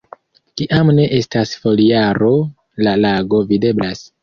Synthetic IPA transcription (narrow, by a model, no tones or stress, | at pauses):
kiʔamne̞ʔe̞stasfo̞liaɾo̞ | lalaɡo̞vide̞blas